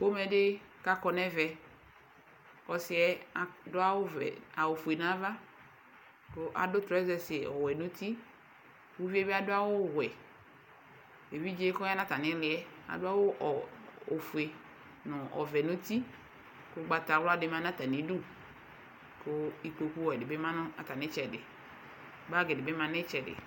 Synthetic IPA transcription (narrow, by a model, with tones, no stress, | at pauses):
ko˦mɛ̃˨ɖe˦ | ka˦kɔ˨nɛ̃˦vɛ˨ | kɔ˨sɪ˦ɛ˦a˨dʊ˦a˦wo˦ɛ̰˨a˨wo˨fu˨e˨nã˦va˦ | ko˦ʔa̰˨dʊ˦t̪ɾɔ˦ɛ˦zɛ˦sɪ˨ɔ˨wɛ˨nũ˦t̪i˦ | wu˦vi˦e˦be˦a˦dʊ˦a˦wo˦wɛ˨ | e˨vi˦d͡ʒe˦kɔ˦a˦nã˦ta˨nɪ̃˦lɪ˨˦ɛ˦a̰˨dʊ˦a˦wʊ˦˨o˨fu˨e˨ | nʊ̃˨ʔɔ̰˨vɛ˨nʊ̃˦t̪i˦ | kʊ˦ɡ͡ba˨ta˨wla˦dɪ˦mã˦nã˦t̪a˨ni˨˦du˦ | kʊ˦i˨k͡po˨ku˦wɔ˨ɛ˨dɪ˨be˦mã˦nʊ˦a˨ta˨nɪ̃˦t͡ʃɛ˨dɪ̰˨ | ba˦˨ɡɪ˨dɪ˨be˦mã˨nɪ˦t͡ʃɛ˨dɪ̰˨